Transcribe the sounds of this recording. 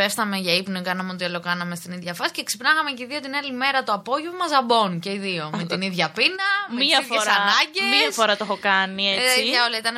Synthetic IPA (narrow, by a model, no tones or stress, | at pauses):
efθɐme̞ʝɐipnokɐnɐmeo̞t̪iɐlo̞kɐnɐme̞st̪iniðʝɐfɐsi̥ce̞ksipnɐɣɐmeceiðiot̪inɐlime̞ɾɐt̪oɐpo̞ʝevomɐzɐbo̞nce̞iðio̞met̪iniðʝɐpinɐmeiɐiðfosɐnɐɲɟemiɐfo̞ɾɐt̪ooxo̞kɐniesiʝɐolɐit̪ɐn